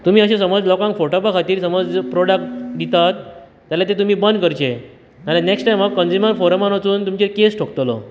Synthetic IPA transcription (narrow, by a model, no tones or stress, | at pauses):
t̪um̤iːəɕẽsəməd͡zlɔkãŋkfoʈopakʰat̪iːɾsəməd͡zpɾoɽak̚ʈd̪it̪at̪ː | jalat̪et̪um̤iːbənd̪kəɾt͡ɕe | alẽneksʈajmakkənd͡ʑumənfoɾəmanʋət͡suːnt̪umt͡ɕekesʈʰokt̪lɔ